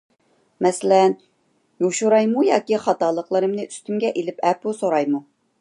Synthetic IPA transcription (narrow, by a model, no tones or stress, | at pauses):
mɛsɪlɛn | joʃuɾɑjmujɑ̰ːkʲiχɑt̪ɑːlˠəqlˠɨɾɨmnɨʔy̥st̪ymɡʲɛʔelɪpɛpusoɾɑjmu